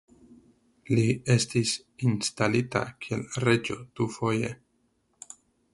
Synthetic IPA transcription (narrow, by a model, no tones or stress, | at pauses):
lie̞stis | instalita̰kʰielɾe̞d͡ʒo̞d̪̥ufo̞je̞